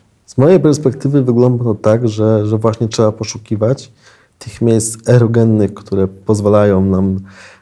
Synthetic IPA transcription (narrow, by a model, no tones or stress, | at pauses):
z̥mɔjejpɛɾspɛk̚t̪ɘvɘvɘɡlɔnd̪aɔt̪aɡʐɛʐɛvwaɕɲɛtʂɛbapɔʂukʲivat͡ɕ | t̪ɘxmʲjejst̪sɛɾɔɡɛnːɘxkt̪uɾɛpɔzvalajɔ̃w̃nam